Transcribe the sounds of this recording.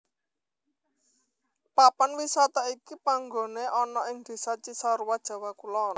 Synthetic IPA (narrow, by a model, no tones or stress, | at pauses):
papanwisat̪aikipaŋɡo̤neʔɔnɔʔɪŋd̪̥e̤sat͡ʃisɔɾuwad̥ʒ̥ä̤wakulɔ